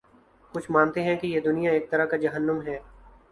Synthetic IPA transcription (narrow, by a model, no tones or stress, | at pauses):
kʊt͡ʃʰmãːnt̪eɦɛ̃kijed̪ʊnijaeːk̚t̪ɐɾaɦkad͡ʒɐɦənːəmɦɛː